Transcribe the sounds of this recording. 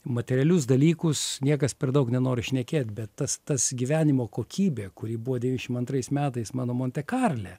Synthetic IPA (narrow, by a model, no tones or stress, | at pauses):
mɐt̪ʲɛɾʲɪɛlʲʊsd̪ɐlʲiːkʊsnʲiɛkɐspʲɛrd̪ɐʊknʲɛnoːɾʲɪʃʲnʲɛkʲeːt̪ʲbʲɛt̪ːɐst̪ɐsɡʲiːʋʲæːnʲɪmoːkoːkʲʰiːbʲeːkʊɾʲiːbuʋoːdʲʋʲiːnʲɪʃʲɪmɐnt̪rɐɪsmʲæːt̪ɐɪsmɑːnoːmoːnʲt̪ʲɛkɑːrʲlʲɛ